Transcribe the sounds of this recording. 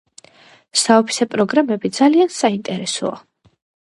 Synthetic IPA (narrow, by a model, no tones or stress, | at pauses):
saɔpʰi̥sɛpʼɾɔɡɾamɛbid̪zaliansaint̪ʼɛɾɛsɔ̰a̰